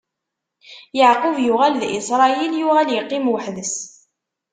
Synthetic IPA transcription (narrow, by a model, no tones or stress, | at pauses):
jaʕqʊvjʊʁælðʔɪsɾˤɑiljʊʁæljəqːimwəħðəs